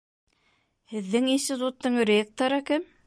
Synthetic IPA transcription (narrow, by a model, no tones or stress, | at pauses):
hɘ̆ðːɘŋinsʲt̪ʲit̪ut̪ːɤɴrʲek̚t̪oɾɤkɘm